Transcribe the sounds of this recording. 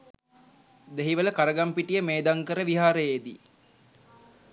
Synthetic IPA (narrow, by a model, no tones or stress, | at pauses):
d̪eɦiʋələkaɾəɡampiʈijəmeːd̪aŋkəɾəʋiɦaːɾəjeːd̪i